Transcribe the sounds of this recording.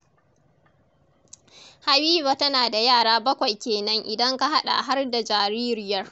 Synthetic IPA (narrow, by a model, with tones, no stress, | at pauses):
ha˨wiː˦ba˨tɐ˦naː˨da˨jaː˦˨ɽaː˦bɐ˦kʷa˨jkʲeː˨nɐ˦ŋʔɪ˨dɐ˦ŋka˦ɦa˦ɗa̰˨ɦa˦rda˨d͡ʒaː˨ɾiː˦ɾɪ˦jɐ˦r